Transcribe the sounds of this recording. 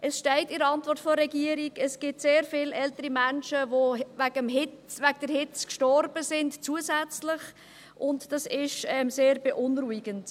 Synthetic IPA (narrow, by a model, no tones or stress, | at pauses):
ʔɛsʃtɛɪtɪɾɑntvɔrtfɔːɛɡiəɾiɡɛsɡ̥ɪtseːɾfɪlʔɛltəɾimænʃəvovæɡəmɦɪʋæɡəd̥əɾhɪt͡skʃtɔrb̥əzɪndt͡suəzæt͡slɪχ | ʔʊntd̥ɑsɪʃɛmseːɾbeʔʊnɾuiɡənt